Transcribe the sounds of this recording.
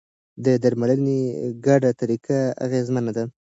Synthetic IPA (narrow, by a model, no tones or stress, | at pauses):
d̪əd̪aɾmaləneɡaɖat̪aɾikaa̰ɣezmanad̪a